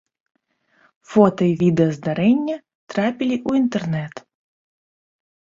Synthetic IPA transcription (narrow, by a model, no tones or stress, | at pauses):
fot̪ɐivʲid̪ɐzd̪ɐɾɛnʲːɐ | t̪ɾapʲilʲiʔuint̪ɛrnɛt̪